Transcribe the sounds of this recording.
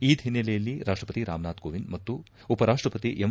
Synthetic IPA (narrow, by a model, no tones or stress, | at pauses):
iːd̪ʱinːɛlɛjɐlːiɾʔaːʂʈɾɐpɐt̪iɾa̰ːmnaːd̪̚ɡoːʋinmɐt̪ːu | upɐɾaːʂʈɾɐpɐt̪iʔem